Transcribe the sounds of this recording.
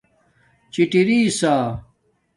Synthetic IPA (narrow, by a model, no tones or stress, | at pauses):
t͡ɕiʈiɾiːsaː